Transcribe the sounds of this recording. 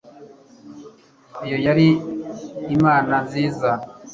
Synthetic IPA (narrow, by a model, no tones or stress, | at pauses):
ijojaɾiː | maːnanziːza